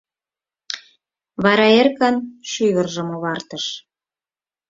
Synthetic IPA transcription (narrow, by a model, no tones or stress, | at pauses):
βɑɾɑerkɑnʃyβərʒə̆moβɑrt̪əʃ